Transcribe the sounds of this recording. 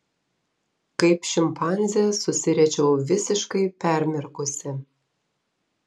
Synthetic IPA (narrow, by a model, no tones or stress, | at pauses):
kɐɪpʃʲɪmpʰɑnʲzʲɛsʊsʲɪɾʲɛt͡ʃʲɛʊʋʲɪsʲɪʃkɐɪpʲɛɾʲmʲɪrkʊsʲɪ